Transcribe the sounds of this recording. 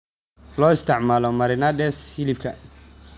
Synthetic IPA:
lɔːɪst̪ʰɪʕmaːlɔmɐɾɪnɐd̪ɛshɪlɪbkʰɐ

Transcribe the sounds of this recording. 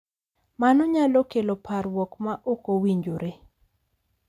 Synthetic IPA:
manɔɲalɔkelopʰarwɔkmaʔokowiɲd͡ʒoɾe

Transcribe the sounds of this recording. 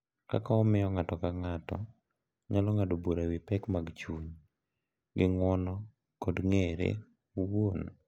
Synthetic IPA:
ka̰kaɔmɪjɔŋatɔkaŋatɔ̰ | ɲalɔŋadoboɾawipɛkmaɡt͡ʃuɲ | ɡɪŋɔnɔ | kɔdŋeɾḛ | won

